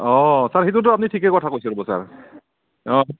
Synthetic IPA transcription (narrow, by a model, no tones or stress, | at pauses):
ɔsaɹxit̬ut̬ʊap̚nitʰikɛkɔtʰakojsilobɔsa̰ɹ | ɔ